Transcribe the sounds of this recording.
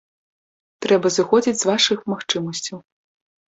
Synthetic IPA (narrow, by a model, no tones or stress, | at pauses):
t̪ɾɛbɐzɨxɔd͡zʲid͡zʲzvaʂɨxmaxt͡ʂɨmɐsʲt͡sʲɐw